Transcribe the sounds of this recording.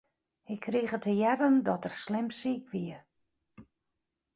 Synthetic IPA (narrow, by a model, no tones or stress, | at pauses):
ɪkʰːrixətʰəjɛɾəndɔtərslɪmsiːkʋiə